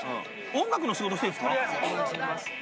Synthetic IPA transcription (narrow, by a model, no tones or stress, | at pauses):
ɯ̰̃ | õŋɡak̬ɯ̟noɕiɡot̪oseɸɯ̥ka | s